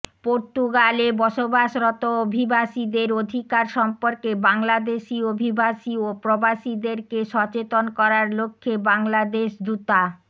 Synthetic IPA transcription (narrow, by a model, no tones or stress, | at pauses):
poɾt̪uɡalebɔʃobaʃɾɔt̪oobʱibaʃid̪eɾod̪ʱikaɾʃɔmpoɾkebaŋlad̪eʃiobʱibaʃiopɾobaʃid̪eɾkeʃɔt͡ɕet̪onkɔɾaɾlokʰːebaŋlad̪eʃd̪ut̪a